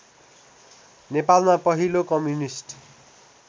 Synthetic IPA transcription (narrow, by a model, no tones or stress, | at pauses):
nepalmapʌɦilokʌmjunisʈ